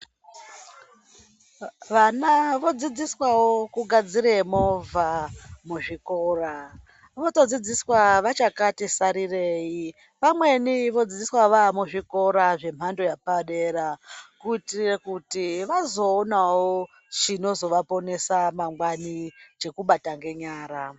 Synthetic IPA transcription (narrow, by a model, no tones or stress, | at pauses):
ʋanaʋo̞d͡zid͡ziswawo̞kuɡʱad͡ziɾemovʱamuʐikora | ʋoto̞d͡zid͡ziswaʋat͡ʃakatisaɾire̞ːji | ʋamwe̞niʋo̞d͡zid͡ziswaʋamuʐiko̞ɾaʐe̞m̤ando̞japaɗeɾakuitirekutiʋazo̞ːnawo | t͡ʃino̞zo̞ʋapo̞ne̞samaŋɡwanit͡ʃe̞kuɓataŋɡe̞ɲaːɾa